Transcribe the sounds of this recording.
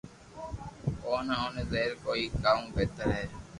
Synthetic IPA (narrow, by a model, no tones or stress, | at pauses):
oːnaoːnezeːɾkoːiːkaːũːbeːt̪əɾɦeː